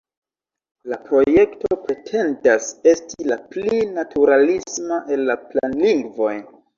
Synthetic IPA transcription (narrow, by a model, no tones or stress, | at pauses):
lapɾo̞je̞kto̞pɾe̞tʰe̞ndase̞stilaplinatʰuɾalismaʔe̞lːapla̰nliŋɡvo̞j